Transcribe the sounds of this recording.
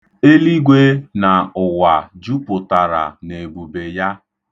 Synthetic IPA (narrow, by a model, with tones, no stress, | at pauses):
e˦li˦ɡʷe˦na˨ʊ˨wa˨d͡ʒu˦pʊ˨ta˨ɾa̰˨ne˨ɡ͡bu˨be˨ja˦